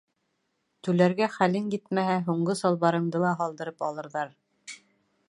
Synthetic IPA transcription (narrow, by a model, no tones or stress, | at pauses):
t̪ʉlæɾɡæχælɘŋjit̪mæɦæɦuɴɢɤsɑlˠβɑɾɤ̆ɴd̪ɤlˠɑɦɑlˠd̪ɤ̆ɾɤpɑlˠɤ̆ɾðɑɾ